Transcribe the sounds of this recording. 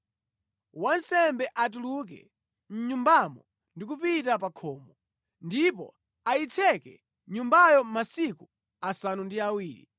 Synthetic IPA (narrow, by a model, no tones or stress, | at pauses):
wansɛmbɛʔat̬uluk̬ɛ̰ | n̩ɲumbamɔ | ndik̬upitapakʰɔːmɔ | ndipɔ̰ | ait͡sʰɛkɛ̰ | ɲumbajɔmasiku | asanundiawiːɾḭ